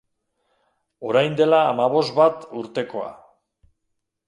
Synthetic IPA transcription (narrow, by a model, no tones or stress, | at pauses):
o̞ɾajnd̪e̞laːmaβ̞o̞zbat̪uɾt̪e̞ko̞a̰